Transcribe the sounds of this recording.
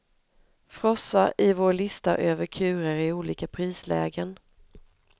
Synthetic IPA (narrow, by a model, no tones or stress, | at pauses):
fɾɔsːaʔɪvoːɭɪst̪a̰ʔøːvəɾkʰʉ̟ːɾəɾɪuːliːkapʰɾiːslɛ̰ːɡən